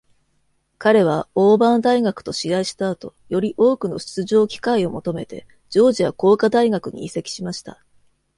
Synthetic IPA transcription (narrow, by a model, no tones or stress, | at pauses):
kaɾe̞βaoːbãnd̪aiɡakɯ̟̥t̪o̞ɕiɡaiɕi̥t̪aːt̪o̞jo̞ɾʲiʔo̞ːkɯ̟no̞ɕɨ̥t͡sɨʑo̞ːkʲi̥kaio̞mo̞t̪o̞me̞t̪e̞̰ | d͡ʑo̞ːʑiβako̞ːkad̪aiɡakɯ̟ɲ̟ḭise̞kʲi̥ɕimaɕi̥t̪a̰